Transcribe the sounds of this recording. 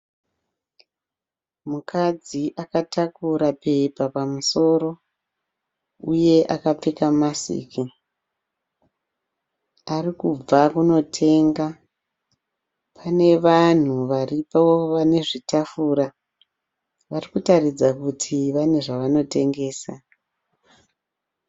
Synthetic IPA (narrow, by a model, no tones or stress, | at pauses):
mukʰad͡ziʔakatakuɾape̞papamuso̞ɾo̞ | uje̞ʔakap͡fekamasḭːki | arikub͡vakuno̞tʰe̞ŋɡa | pʰane̞ʋan̤uʋaripawoʋane̞ʐitafuːɾa | ʋarikutarid͡zakutʰiʋane̞ʐaʋano̞te̞ŋɡe̞ːsa